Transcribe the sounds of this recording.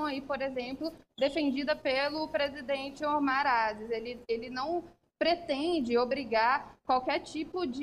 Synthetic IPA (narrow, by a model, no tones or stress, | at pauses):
w̃aipoɾezẽmplʊd̪efẽnd͡ʒid̪ɐpelʊpɾezid̪ẽt͡ʃɪoɾmaɾazɪzelɪelɪnɐ̃w̃ | pɾet̪ẽd͡ʒɪobɾiɡaɾkwawkɛɾt͡ʃipʊd͡ʒ